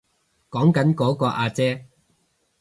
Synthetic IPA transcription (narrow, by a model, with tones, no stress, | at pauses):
kɔː˨˥ŋkɐ˨˥nkɔː˨˥kɔː˧ʔaː˧t͡sɛː˥